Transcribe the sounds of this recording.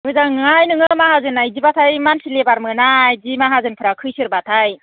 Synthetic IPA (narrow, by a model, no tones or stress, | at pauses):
mɯzaŋajnɯŋɯmaɦazɯnajzibatʰajmansilebaɾmɯnajzimaɦazɯnpʰɯɾakʰɯjsɯɾbatʰaj